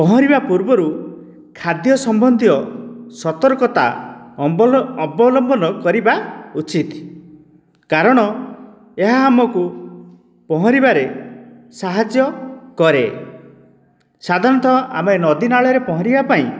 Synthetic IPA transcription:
pɔɦɔ̃ɾibapuɾbɔɾu | kʰad̪jɔsɔmbɔnd̪ʱiɔsɔt̪ɔɾkɔt̪a̰ | ɔbɔlɔmbɔnɔkɔɾibaut͡ʃit̪ | kaɾɔɽ̃ɔ | eɦaːmɔku | pɔɦɔ̃ɾibaɾe | saɦad͡ʒjɔkɔɾḛ | sad̪ʱaɾɔnt̪ɔʔa̰menɔd̪inaɭɔɾepɔɦɔ̃ɾibapaĩ

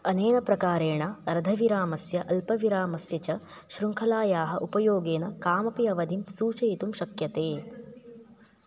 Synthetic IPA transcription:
ɐneːnɐpɾɐkaːɾeːɳɐɾɐd̪ʱɐʋiɾaːmɐsjɐʔɐlpɐʋiɾaːmɐsjɐt͡ʃɐ | ʃɾuŋkʰɐlaːjaːɦɐʔupɐjoːɡeːnɐkaːmɐpiɐʋɐd̪ʱimsuːt͡ʃɐjt̪umʃɐkjɐt̪eː

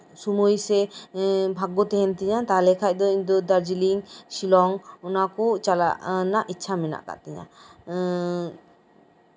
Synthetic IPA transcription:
sumujsɛ | bʱaɡɔt̪ɛɦɛnt̪iɲat̪aalɛkʰac̚ˀd̪ɔiɲd̪ɔd̪aɾd͡ʒiliŋsilɔŋɔnakɔt͡ʃala̰ʔnaʔitːt͡ʃʰamɛna̰ʔka̰ʔt̪ɛɲa̰

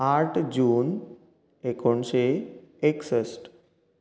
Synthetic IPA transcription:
aʈʰd͡ʑuːn | ekoɳseeksəsʈ

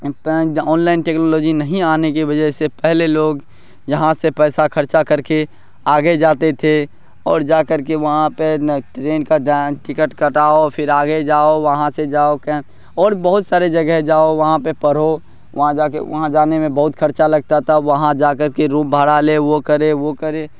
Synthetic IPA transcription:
pɔːnlaɪnʈeːknoːlɔːd͡ʒinəɦĩaːnek̬ebəd͡ʒəɦsepɛɦleloːɡ | jəɦãsepɛːsakʰəɾt͡ʃakəɾke | aːɡed͡ʒaːt̪et̪ʰe | ɔːɾd͡ʒaːkəɾk̬eʋɐɦãpeʈɾeːnkaʈɪkəʈkəʈaːopʰɪɾaːɡed͡ʒaːoʋɐɦãsed͡ʒaːokɛ | ɔːɾbəɦʊt̪saːɾed͡ʒɐɡɛɦd͡ʒaːoʋɐɦãpepəɾ̤o | ʋɐɦãd͡ʒaːkḛʋɐ̰ɦãd͡ʒaːnemẽbɐɦʊt̪kʰəɾt͡ʃalɐɡ̚t̪at̪ʰaʋəɦãd͡ʒaːkəɾkeɾũːmbʱaːɽaleʋokəɾeʋokəɾe

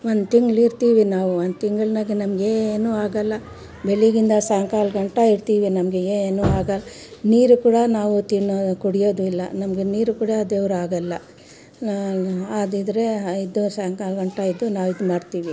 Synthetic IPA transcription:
ʋond̪t̪iŋɡɭiɾt̪iːʋinaːʋuʋond̪t̪iŋɡɐɭnɐɡenɐmɐɡeeːnuːaːɡɐlːɐ | beɭiɡind̪ɐsaːŋkaːlɡɐɳʈɐiɾt̪iːʋinɐmɡeeeːnuːaːɡɐlːniːɾukuːɽɐnaːʋut̪inokuɽijoːd̪uilːɐ̰nɐmɐɡeniːɾukuːɽɐːd̪eʋɾuaːɡɐlːɐ | aːd̪id̪ɐɾe̞id̪usaːŋkaːlɡɐɳʈɐid̪unaːʋid̪umaːɖt̪iːʋi

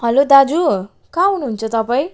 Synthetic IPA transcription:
ɦʌlod̪ad͡zu | kaɦunuɦunt͡sʰʌt̪ʌpaĩ

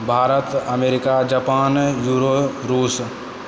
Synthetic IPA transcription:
bʱaːɾət̪əmeːɾɪkad͡ʒəpaːnjuːɾoːɾuːs

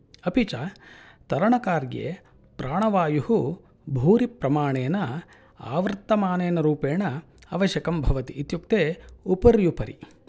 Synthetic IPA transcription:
ɐpit͡ʃaː | t̪ɐɾɐɳɐkaːɾɡjḛ | pɾaːɳɐʋaːjuhu | bʱuːɾipɾɐmaːɳeːnɐ | a̰ːʋɾt̪ːɐmaːneːnɐɾuːpeːɳɐ | ɐʋɐʃjɐkɐmbʱɐʋɐt̪iːt̪juk̚t̪eːupɐɾjupɐɾi

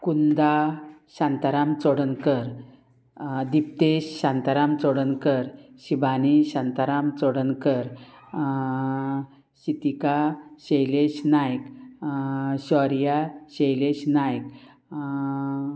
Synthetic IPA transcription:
kund̪aɕãnt̪aɾamt͡sɔɽənkəɾ | d̪ip̚t̪eɕɕãnt̪aɾamt͡sɔɽənkəɾɕibaniɕant̪aɾamt͡sɔɽənkəɾ | ɕit̪ikaɕejleɕnajk | ɕɔɾjaɕejleɕnajk

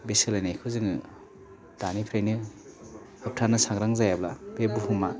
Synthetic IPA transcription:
besɯlajnajkʰɯzɯŋɯ | d̥anipʰɾajnɯ | hɯp̚tʰanɯsaŋɾaŋzajablabebuhumːa

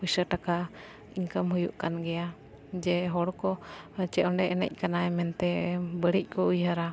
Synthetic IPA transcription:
busəʈaka | iŋkəmɦujuʔkanɡɛja | d͡ʒɛɦɔɽkɔt͡ʃɛɔɳɖɛʔɛnɛ̰c̚ˀkanaɛmɛnt̪ɛbəɽic̚ˀkɔujɦəɾa

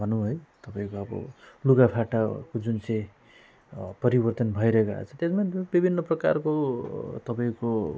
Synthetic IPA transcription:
bʱʌnũɦojt̪ʌpãĩkoʌbʌ̰luɡapʰaʈakod͡zunt͡sʌ̃j̃ | pʌɾibʌrt̪ʌnbʱʌjɾʌɦekoa̰t͡sʰʌt̪esmabibʱinːʌprʌka̰rkot̪ʌpaĩko

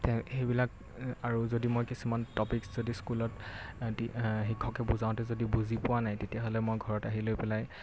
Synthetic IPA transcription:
tɛxejbilak | aɹuzodimojkisumantɔpikszodiskulɔttiɦikʰːɔkɛbuzaʊ̃tɛzodibuzipʊwanajtetijaɦolɛmojɡʱɔɹɔtaɦilojpɛlaj

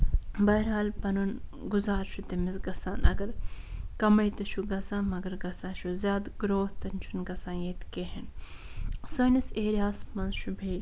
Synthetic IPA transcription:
bɐɦɐɾɦaːlpɐnunɡuzaːɾʃut̪emisɡɐsaːnʔɐ̰ɡɐɾkɐmɐjt̪ɐʃʰuɡɐsãːmɐɡɐɾɡɐsãːʃuzjaːd̪ɡɾoːht̪ɐnt͡ʃʰunɡɐsãːjeːt̪keːɦɐn | sɐːniseːɾʲaːsmɐnzʃubʱeːl

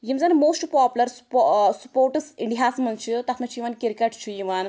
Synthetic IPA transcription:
jimd͡zanmoːsʈpɔːpulɐɾspsupoːɾʈɨsiɳɖiɦaːsm̤ɐnt͡ʃʰit̪ɐt̪ʰmɐt͡ʃʰijiʋankiɾkɐʈt͡ʃʰijiʋan

